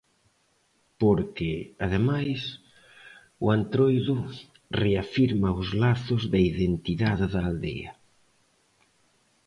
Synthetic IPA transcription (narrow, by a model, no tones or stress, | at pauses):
poɾkɪaðemajs | ʊant̪ɾojðʊ | reafiɾmɐʊzlaθʊzðɐiðent̪iðaðɪðɐːld̪ḛɐ̰